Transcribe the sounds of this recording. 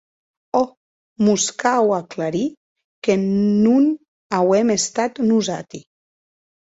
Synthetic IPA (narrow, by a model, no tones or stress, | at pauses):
ɔ | muskawaklaɾi | kenun | awɛmest̪at̪nuzat̪i